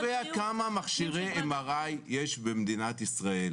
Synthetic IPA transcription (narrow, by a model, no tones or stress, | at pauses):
veakamamaχʃiʁeemaʁajːeʃbemd̪inat̪isʁael